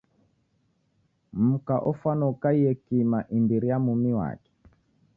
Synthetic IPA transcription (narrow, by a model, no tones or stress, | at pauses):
m̩kaʔɔfanɔkaijɛkimaʔinbiɾijamumiwa̰kɛ̥